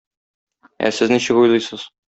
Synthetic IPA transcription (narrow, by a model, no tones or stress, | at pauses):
æ̰sɘzniɕɘkujlˠɤjsɤz̥